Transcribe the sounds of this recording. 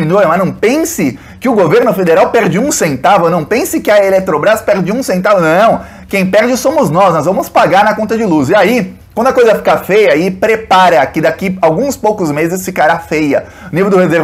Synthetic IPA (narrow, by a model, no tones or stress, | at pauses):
ĩnoɾɐmaznɐ̃w̃pẽsɪ | kɪʊɡoveɾnʊfed̪eɾawpɛɾd͡ʒɪũsẽnt̪avɛwnɐ̃w̃pẽsɪkɪɐelet̪ɾobɾaspɛɾd͡ʒɪũsẽnt̪avʊnɐ̃w̃ | kẽj̃pɛɾd͡ʒɪsõmʊznɔsnɔzvɐ̃mʊspaɡaɾnɐkõnt̪ɐd͡ʒɪluzɪai | kwɐ̃d̪ʊakojzɐfi̥kafejɐipɾepaɾɐakɪd̪akiawɡũspowkʊzmezɪsfikaɾafejɐ | ʊnivewd̪ʊhezeɾ